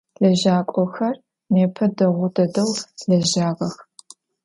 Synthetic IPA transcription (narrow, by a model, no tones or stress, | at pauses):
ɮɐʒaːkʷʼɔxɐr | neːpʰɐdɐʁʷʊdɐdɐwɮɐʒaːʁɐx